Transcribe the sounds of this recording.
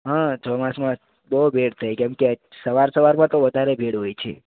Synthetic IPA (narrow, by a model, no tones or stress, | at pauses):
ɦãd͡ʒ̪omãsmã | bəɦubʱeɽt̪ʰəjkɛ̃mke | səʋaɾsəʋaɾmãt̪oʋəd̪ʱaɾebʱeɽɦojt͡ʃʰḛ